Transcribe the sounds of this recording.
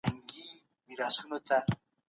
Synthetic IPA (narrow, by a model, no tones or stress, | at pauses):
aŋɡi | miɾasunot̪a